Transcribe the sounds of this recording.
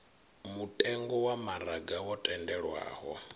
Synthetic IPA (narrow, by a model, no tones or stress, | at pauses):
mutʼɛŋɡɔwamaɾaɡawɔtʼɛndɛɺwa̰ːhɔ